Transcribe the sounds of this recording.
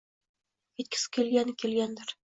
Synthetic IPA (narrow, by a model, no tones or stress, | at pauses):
kit̪̚kʲɪ̥skʲelɡænkʲelɡʲænd̪ɘɾ